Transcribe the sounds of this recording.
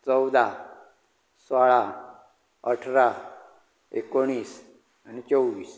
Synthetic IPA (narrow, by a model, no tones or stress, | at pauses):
t͡səwd̪a | swaɭa | əʈʰɾa | ekoɽ̃iːs | anit͡ɕəwʋiːs